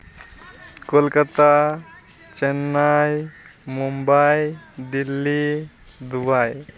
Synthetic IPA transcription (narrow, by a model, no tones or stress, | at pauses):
kolkat̪a | t͡ʃenːajmumbajd̪ilːi | d̪ubaj